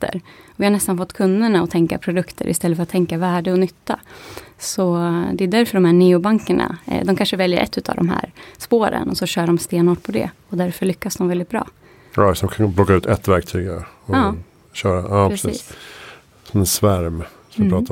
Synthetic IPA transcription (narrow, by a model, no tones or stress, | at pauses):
t̪ə̰ɾɔvɪhaɳɛst̪anfɔt̪ːkʰɵnd̪əɳaɔt̪ʰɛŋka̰pʰɾʊd̪ɵkt̪ʰə̰ɾʔɪ̰st̪ɛlːəfœɾat̪ʰːɛŋkavæːɖəɔnʏt̪ːasɔd̪ɛʉd̪æɾfœɖɔmhæːɳiːʊbaŋkəɳa̰d̪ɔmkʰanʂəvɛljə̰ɾʔɛ̰t̪ʰːʉ̟ːt̪ʰa̰vd̪ɔ̰mɦæ̰ːɾspoːɾə̰nɔsɔɕœːɖɔmst̪eːnoːʈ̚pʰɔd̪ɛ̰ɔd̪æɾfœɭʏkːasd̪ɔmvɛlɪt̪bɾɑ̰ː | asɔmkʰanblɔkːaʉ̟ːt̪ɛt̪ːvæɾk̚t̪ʰyːɡaɔː | ɕœːɾaɑːsḭːs | sɔmɛnsvæɾm | sɔmpɾɑːt̪